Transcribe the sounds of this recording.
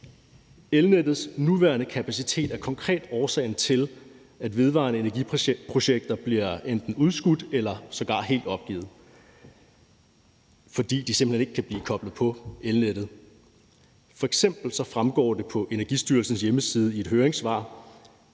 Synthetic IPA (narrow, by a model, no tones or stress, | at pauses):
elned̥ð̞̩ˠsnuʋæɐnəkʰæpʰæsit͡sʰe̝̰ːd̥æɐkʰɒ̽ŋkʰʁɛ̰ːd̥ɒːsɛ̰ɪnət͡sʰe̝l | æd̥ʋe̝ðˠʋɑ̰̈ːnəe̝næɐɡipʰʁo̝ɕeɡ̥̚d̥ɐb̥liɐend̥n̩uð̞ˠsɡ̥ud̥elɐsɒ̽ɡ̥ɑ̰̈ɦḛːld̥ɒ̽b̥̚ɡ̥ḭːð̞̩ˠ | fɒ̽d̥ḭːd̥isemb̥əene̝ɡ̥əkʰæb̥liːkʰɒ̽b̥ləð̩ˠpʰɒ̽elned̥ð̩ˠ | fɒ̽eɡ̥sem̰b̥l̩sɒ̽fʁamɡ̥ɒ̰ːd̥e̝pʰɒ̽ʔe̝næɐɡisd̥yːɐlsn̩sjeməsiːð̞ˠəie̝d̥ɦøːɐʁeŋsʋɑ̈